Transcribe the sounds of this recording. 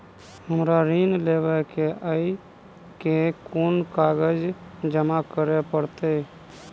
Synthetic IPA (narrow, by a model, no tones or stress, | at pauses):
həmɾaɾinlebɛkeəi | kekonkaɡəd͡ʒd͡ʒəmakəɾepəɾt̪ɛ